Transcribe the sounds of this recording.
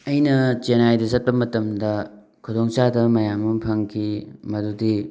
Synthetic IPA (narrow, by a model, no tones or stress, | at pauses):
ɐjnɐt͡ʃenajdɐzɐt̚pɐmɐtɐmdɐ | kʰudoŋt͡ʃadɐmɐjamːɐpʰɐŋkʰimɐdudi